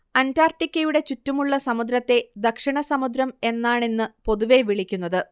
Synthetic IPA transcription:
ɐntaːrʈikʲːɐjuɽe̞t͡ɕutːumuɭːɐsɐmud̪ɾɐt̪ːe̞d̪ɐkʂiɳɐsɐmud̪ɾɐme̞nːaːɳenːɨpo̞ðuʋe̞ʋiɭikʲːunːɐðɨ

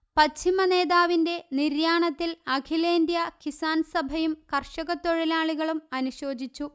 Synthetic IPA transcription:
pɐt͡ɕʰːimɐne̞ːðaːʋinde̞niɾjaːɳɐt̪ːilɐkʰileːndjɐkisaːnsɐbʱɐjumkɐrʂɐɣɐt̪ːoɻilaːɭiɣɐɭumɐnuɕo̞ːd͡ʑit͡ɕːu

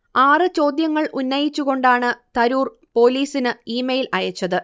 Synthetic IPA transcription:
aːrɨt͡ɕo̞ːd̪jɐŋːɐɭʔunːɐjit͡ɕːuɣo̞ɳɖaːɳɨt̪ɐɾuːr | po̞ːliːsinɨiːmɐjilɐjɐt͡ɕːɐðɨ

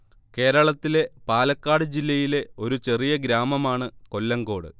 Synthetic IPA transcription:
ke̞ːɾɐɭɐt̪ːile̞paːlɐkːaːɽɨd͡ʑilːɐjile̞o̞ɾut͡ɕe̞rijɐɡɾaːmɐmaːɳɨko̞lːɐŋɡo̞ːɽɨ̰

